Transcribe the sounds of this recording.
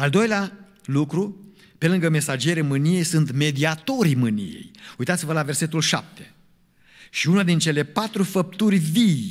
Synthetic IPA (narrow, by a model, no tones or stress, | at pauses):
ald̪o̞jlea | lukɾu | pe̞lɨŋɡəme̞sad͡ʒeɾemɨnije̞jsunt̪me̞d̪iat̪o̞ɾimɨnḭje̞̰jujt̪at̪sivəlave̞rse̞t̪ulʃa̰p̚t̪e̞̥ | ʃiunad̪int͡ʃe̞le̞pat̪ɾufəp̚t̪urʲvij